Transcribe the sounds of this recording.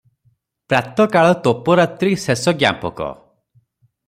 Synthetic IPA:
pɾat̪ɔkaɭɔt̪opɔɾat̪ɾisesɔɡja̰mpɔ̰kɔ̰

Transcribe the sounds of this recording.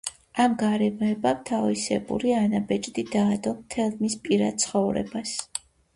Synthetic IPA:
amɡaɾɛmɔɛbamt̪ʰavisɛ̰bṵɾianabɛt͡ʃʼd̪id̪aːd̪ɔmt̪ʰɛlˠmispʼiɾad̪̚t̪sʰχɔvɾɛ̰bas

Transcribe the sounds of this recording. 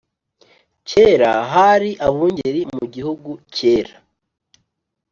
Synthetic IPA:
ce̞ɾaɦaɾiʔaβuːɲɟeɾimuɟihuɡuce̞ːɾa

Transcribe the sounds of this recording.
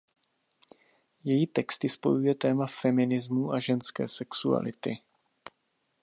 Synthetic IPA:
jɛjiːt̪ɛkst̪ɪspo̞̰jujɛt̪ɛːmafɛmɪnɪzmuʔaʒɛnskɛ̰ːsɛksua̰lɪt̪ɪ

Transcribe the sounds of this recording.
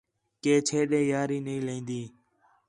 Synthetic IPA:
keːt͡ʃʰeːɗẽːjaːɾiːnəĩːlẽːnd̪iː

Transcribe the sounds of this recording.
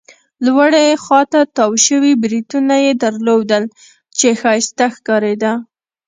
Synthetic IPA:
lwaɽexwɑt̪at̪ɑwʃəwibɾid̪unajed̪aɾlod̪əl | t͡ʃexɑjɪst̪axkɑɾed̪a

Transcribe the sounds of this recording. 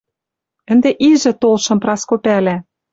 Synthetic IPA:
ə̆nd̪eʔiʒɘ̆t̪olʃɤ̆mprɑskopælæ

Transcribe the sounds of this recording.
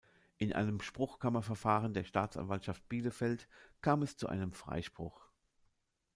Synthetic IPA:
ʔɪnʔa̰ɪnəmʃpʁ̥ʊxkʰamɐfɛɐfaːʁəndeːɐʃtaːt͡sʔa̰nvaltʃaft̚b̥iːləfɛltkʰaːmɛst͡suʔa̰ɪnəmfʁ̥a̰ɪʃpʁ̥ʊx

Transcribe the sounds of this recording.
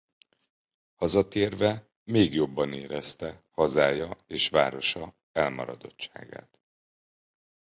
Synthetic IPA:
hɒzɒt̪eːrvɛ | meːɡjo̞bːɒneːɾɛst̪ɛhɒzaːjɒeːʃʋaːɾo̞ʃɒ | ɛlmɒ̰ɾɒd̪o̞tt͡ʃa̰ːɡa̰ːt̪

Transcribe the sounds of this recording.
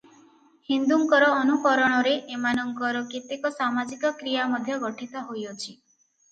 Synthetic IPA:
hind̪uŋkɔɾɔːnukɔɾɔɽ̃ɔɾeʔemanɔŋkɔɾɔkit̪ekɔsamad͡ʒikɔkɾijamɔd̪ʱjɔɡɔʈʰit̪ɔɦojɔt͡ʃʰi

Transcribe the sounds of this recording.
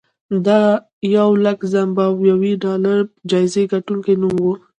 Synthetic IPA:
d̪ɑ | jawlakzambawjawiɖɑlaɾd͡ʒɑjzeɡaʈuŋkenumwu

